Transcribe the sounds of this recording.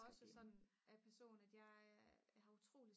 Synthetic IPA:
ɒ̽səsɒ̽d̥næpʰæɐso̝̰ːnæd̥jɑ̈ɪhɑ̈ut͡sʰʁo̝̰ːli

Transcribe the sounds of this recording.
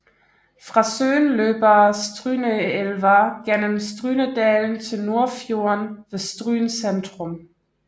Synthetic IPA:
fʁɑ̈sø̰ːnløːb̥ɐsd̥ʁyːnəelʋæɡ̥enəmsd̥ʁyːnəd̥ɛːln̩t͡sʰe̝lno̝ɐfjo̝ɐnʋe̝sd̥ʁy̰ːnsend̥ʁɔ̽m

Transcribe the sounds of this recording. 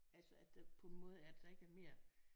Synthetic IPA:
ælsəæd̥d̥apʰɒ̽enmɔːð̞̩ˠæɐd̥d̥ɑ̈e̝ɡ̥əæɐme̝ɐ̰

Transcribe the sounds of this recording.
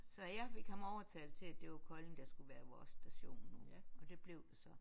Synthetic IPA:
sɒ̽jɑ̈ɪfe̝ɡ̥hɑmɒʊɐt͡sʰɛːlt͡sʰe̝læd̥e̝ʋɑkʰɒ̽leŋd̥ɑsɡ̥uʋæːɐʋɒ̰ːsːd̥æɕo̝̰ːnːujɒ̽d̥e̝b̥le̝ʊd̥esɒ̽

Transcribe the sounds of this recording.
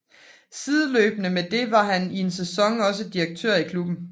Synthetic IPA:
sið̞ˠəlø̰ːb̥ənəmed̥e̝ʋɑ̈hænie̝nsesɒ̽ŋɒ̽s̬əd̥iʁɐɡ̥̚t͡sʰø̰ɐ̰ikʰlub̥n̩

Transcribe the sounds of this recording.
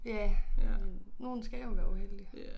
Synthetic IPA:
jæ | no̝ːn̩sɡ̥ɛʋæuheld̥i

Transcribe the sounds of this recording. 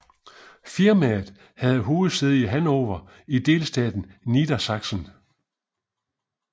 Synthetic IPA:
fiɐmæð̩ˠ | hæð̞̩ˠɦo̝ːð̩ˠseðˠiəɦænɒːʋɐ | id̥e̝̰ːlsd̥ɛ̰ːd̥n̩nid̥ɐsɑ̈ɡ̥sən

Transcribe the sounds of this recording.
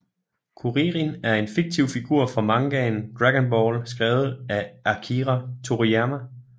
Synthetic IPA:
kʰuʁiʁinæɐe̝nfiɡ̥̚t͡sʰiʊ̰fiɡ̥uɐ̰fʁɑ̈mɑ̈ŋɡ̥ɛːn̩d̥ʁæɡ̥ənb̥ɒːlsɡ̥ʁɛːʊð̩ˠæʔækʰiʁæt͡sʰoʁiæmæ

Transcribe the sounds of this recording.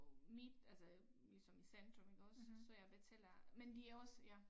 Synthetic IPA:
mid̥ælsɐlisɒ̽misænd̥ʁɔmeɡ̥ɒ̽sːɒ̽jɑ̈ɪb̥et͡sʰel̰ɐmend̥iæɒ̽sjæ

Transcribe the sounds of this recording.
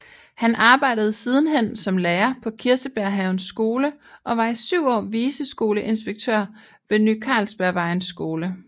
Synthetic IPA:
hænʔɑ̈ːb̥ɑ̈ɪ̰d̥əð̞̩ˠsiːð̞ˠn̩ɦen̰sɒ̽mleːɐpʰɒ̽kʰiɐsəb̥æɐɦæʊnsːɡ̥o̝ːlə | ʔɒ̽ʋɑ̈isyʊ̰ɒ̰ːʋiːsəsɡ̥o̝ːləʔe̝nsb̥eɡ̥̚t͡sʰø̰ɐ̰ | ʋe̝nykʰɑ̈ːlsb̥æɐʋɑ̈ɪnsːɡ̥o̝ːlə

